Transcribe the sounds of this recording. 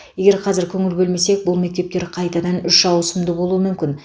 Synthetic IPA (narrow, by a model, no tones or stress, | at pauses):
je̞ɡʲe̞ɾqʰɑzɪɾkʲʰɵŋɪlbʲɵlme̞se̞k̚bʊlˠme̞k̚ʲt̪e̞p̚t̪e̞ɾqʰɑjt̪ɑd̪ɑnʏʃʒɑwəsəmd̪əbo̞lˠuəmʏmkʲɪn